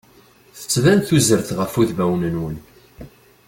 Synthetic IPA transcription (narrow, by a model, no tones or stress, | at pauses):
θə̥t͡sːvænθuzəɾθʁəfuðvæwnənwən